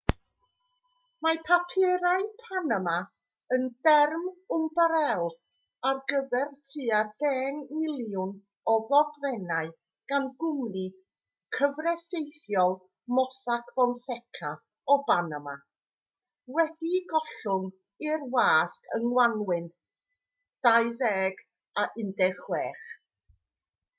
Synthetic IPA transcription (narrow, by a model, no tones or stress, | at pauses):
mapʰapʰɪɾaɨpʰanama | ənd̥ɛrmʊmbaɾɛlˠ | arɡəvɛrtʰɨːadɛːnmɪlˠjʊn | ɔðɔɡvɛnaɨ | ɡ̥anɡʊmni | kʰəvrɛθejθjɔlˠ | mɔsakʰvɔnsɛkʰa | ɔbanama | wɛdiɡɔɬʊŋ | ɪrwaːskəŋwanwɪn | d̥ajðɛːɡ | aʔɪndɛrχwɛːχ